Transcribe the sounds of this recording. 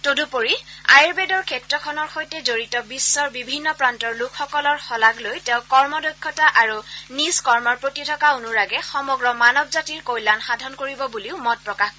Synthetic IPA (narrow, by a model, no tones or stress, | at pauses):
todupoɹiajɹbɛdɔɹkʰɛtɹɔkʰɔnɔɹxojtɛzoɹitɔbisːɔɹbibʱinːɔpɹantɔɹlukʰxɔkɔlɔɹxɔlaɡlojtɛ̃ʊ̃kɔɹmɔdojkʰːɔtaʔaɹunizkɔɹmɔɹpɹotitʰɔkaunuɹaɡɛxɔmɔɡɹɔmanɔbzatiɹkojlanxadʱɔnkoɹibɔbuliʊmɔt̚pɹɔkaxkɔ